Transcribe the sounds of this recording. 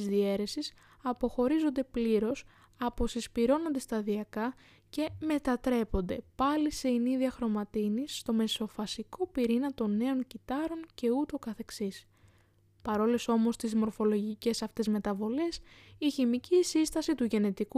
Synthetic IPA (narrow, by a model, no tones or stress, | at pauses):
izðie̞ɾe̞sis | ɐpo̞xo̞ɾizo̞nd̪e̞pliɾo̞s | ɐpo̞sispiɾo̞no̞nd̪e̞st̪ɐðiɐkɐ | ce̞me̞t̪ɐt̪ɾe̞po̞nd̪e̞pɐliseiniðiɐxɾo̞mɐt̪inisːt̪o̞me̞so̞fɐsiko̞piɾinɐt̪o̞nːe̞o̞ncit̪ɐɾo̞ŋce̞ut̪o̞kɐθe̞ksis | pɐɾo̞leso̞mo̞st̪izmo̞ɾfo̞lo̞ʝice̞sɐft̪e̞zme̞t̪ɐvo̞le̞siçimicisist̪ɐsit̪uʝe̞ne̞t̪iku